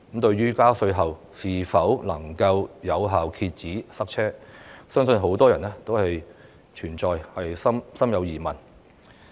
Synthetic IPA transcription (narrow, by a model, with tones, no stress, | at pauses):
m̩˨˥t̪ɵ˧ɥɥyː˥kaː˥sɵ˧ɥɦɐ˨w | siː˨fɐ˨˥wlɐ˨˩ŋkɐ˧wjɐ˨˧wɦaː˨wkʰiː˧t̚t͡siː˨˥sɐ˥k̚t͡sʰɛː˥sœː˥ŋsɵ˧nɦo˨˥wt̪ɔː˥jɐ˨˩nɛː˥t̪o˥whɐ˨j | t͡ʃʰyː˨˩nt͡sɔː˨jhɐ˨jsɐ˥msɐ˥mjɐ˨˧wjiː˨˩mɐ˨˩n